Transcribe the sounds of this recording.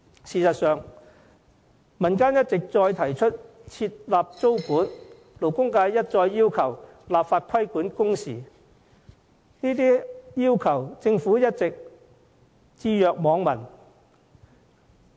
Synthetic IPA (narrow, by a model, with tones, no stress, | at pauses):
siː˨sɐ˨t̚sœː˨ŋ | mɐ˨˩nkaː˥njɐ˥t̚t͡sɪ˨k̚t͡sɔː˧jt̪ʰɐ˨˩jt͡ʃʰɵ˥t̚t͡sʰiː˧t̚laː˨p̚t͡so˥wkuː˨˥n | lo˨˩wkʊ˥ŋkaː˧jjɐ˥t̚t͡sɔː˧jːiː˥wkʰɐ˨˩w | laː˨pfaː˧t̚kʷʰɐ˥jkuː˨˥nkʊ˥ŋsḭː˨˩ | niː˥t̪iː˥jiː˥wkʰɐ˨˩wt͡sɪ˧ŋfuː˨˥jɐ˥t̚t͡sɪ˨k̚ | t͡siː˧jœː˨k̚mɔː˨˧ŋmɐ˨˩n